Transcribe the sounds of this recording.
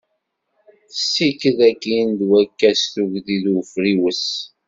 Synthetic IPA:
θəsːikəðækːind̪wækːæsθuʝðiðəfɾiwəs

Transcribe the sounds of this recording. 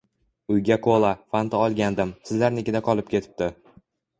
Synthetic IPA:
ʊjɡʲakʰolˠafant̪ʰaɒlˠɡʲand̪ɪmsɪzlaɾneɡʲɪd̪aqʰɒlˠɪp̚kʲʰe̞t̪ʰɪ̥p̚t̪ɪ

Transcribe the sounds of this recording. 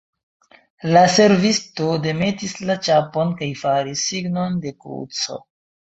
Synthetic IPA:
lase̞ɾvisto̞de̞me̞tislat͡ʃapo̞nkajfaɾisːiɡno̞nde̞kɾṵt͡so̞̰

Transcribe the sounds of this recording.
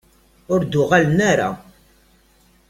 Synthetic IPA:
ʊɾd̪ʊʁalnaɾa̰

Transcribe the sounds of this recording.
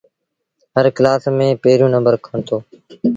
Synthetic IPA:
ɦəɾklaːsmẽːpeːɾũːnəmbəɾkʰaɳt̪oː

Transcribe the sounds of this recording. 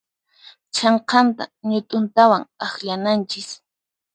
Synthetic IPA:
t͡ʃɑɴqɑnt̪a̰ɲʊt̪ʼʊnt̪awaŋaχʎanant͡ʃɪs

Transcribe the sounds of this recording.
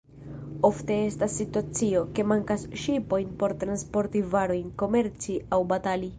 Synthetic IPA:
o̞fte̞e̞stasːituat͡sio̞ke̞maŋkasʃipo̞jnpo̞ɾt̪ɾanspo̞ɾtivaɾo̞jnko̞me̞ɾt͡siawbatali

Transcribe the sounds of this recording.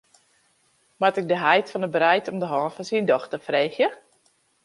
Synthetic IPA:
matɪk̚dəɦɛjtfɔnəbəɾɛjtɔmdəɦɔːnfɔnsindɔxtəfreːxjə

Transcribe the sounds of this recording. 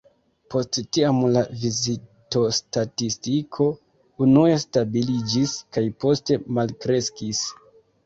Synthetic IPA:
po̞sttiamlavizito̞statistikʰo̞ | unuestabilid͡ʒiskajpo̞ste̞malkɾe̞skis

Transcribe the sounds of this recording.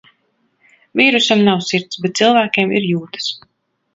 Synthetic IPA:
vʲiːɾusamnawsiɾt̪sbɛt̪̚silˠvæːkʲeːmḭɾjuːt̪ɨ̥s

